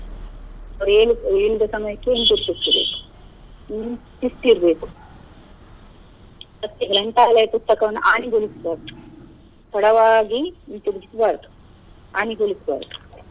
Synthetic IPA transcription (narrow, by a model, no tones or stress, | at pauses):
ɐʋɐɾeːlueːɭud̪ɐsɐmɐjɐkːent̪iɾt̪ist̪ːibḛːku̥ | nt̪isʈ̪iɾbeːku̥ | ɐt̪ːiɡɾɐɳʈ̪aːlɐjɐpust̪ɐkɐʋɐnːuʔaːniɡolisbaːk | p̪ɐɽɐʋaːɡint̪iɾid͡ʒisbaːɾku̥ | aːniɡoːlisba̰ːɾku̥